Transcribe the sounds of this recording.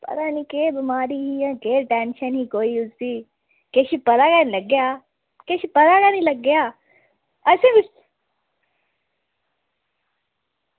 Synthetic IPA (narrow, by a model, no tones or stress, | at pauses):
pɐ̰ɾaːnikeːbɪmaːɾiːɦijãːkeːɾʈɛːnʃənɦiːkoːiʊzt̪i | keːʃipɐɾaːɡanilɐɡːjaː | keːʃipɐɾaːɡaːnilɐɡːjaː | ɐsẽːbɪs